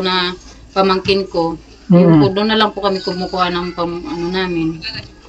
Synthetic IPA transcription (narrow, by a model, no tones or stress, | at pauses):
nɐ | pɐmɐŋkɪnko̞ | pʊd̪ʊnːɐlɐŋpʊkɐmɪkʊmʊkuhanɐŋpɐmʔɐnonaːmɪn